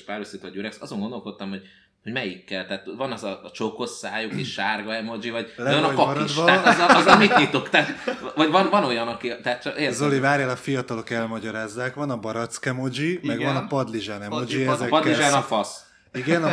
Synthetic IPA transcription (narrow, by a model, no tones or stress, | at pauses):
ʃpaːɾosit̪ɒɟøɾɛksɒzo̞ŋɡo̞nd̪o̞lko̞t̪ːɒmho̞ɟ̚ | ho̞ɟmɛjikːɛlt̪aːt̪vɒnɒzɒt͡ʃoko̞sːaːjukeːʃʃaːrɡɒɛmo̞d͡ʒivɒɟlɛjɒnɒkɒɒɾid̪ʃaːt̪ɒzɒɒzɛlmit̪ɲit̪okt̪aːt̪vɒɟvɒnvɒno̞jɒnɒkit̪ɛːt̪t͡ʃɒkeːrzolivaːɾjaːlɒfijɒt̪ɒlo̞kɛlmɒɟɒɾaːzːaːkʋɒnɒbɒɾɒt̪skɛmod͡ʒimmɛɡvɒnɒpɒd̪liʒaːnɛmod͡ʒiɛzɛkpɒd̪liʒaːnɒfɒs | iɡɛn